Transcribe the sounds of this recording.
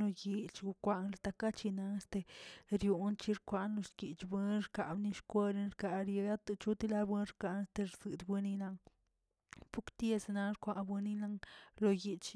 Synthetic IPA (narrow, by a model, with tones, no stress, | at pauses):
lo˧ji˧t͡ʃɡu˧kʷa˧ŋlt̪a˧ka˦t͡ʃi˧na˧ŋe˦st̪e˧ɾju˧nt͡ʃi˦ɾkʷa˧nlo˧ʃki˨t͡ʃbwɨ˧˦nɾka˨bni˧ʃkʷe˦ɾi˧nɾka˧˨ɾje˧ɡa˦t̪ɨ˧t͡ʃu˦t̪i˦la˧˦bwɨ˧˦nɾka˧ne˦st̪e˧ɾzɨ˨d̪bɨ˧ni˦na˧ŋ | pu˦kt̪je˧sna˧ɾkʷa˧nbwɨ˧ni˦na˧ŋlo˧ji˧t͡ʃ